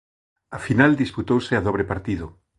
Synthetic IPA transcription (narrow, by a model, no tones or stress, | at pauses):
afinald̪isput̪owsɪaðoβ̞ɾepaɾt̪iðʊ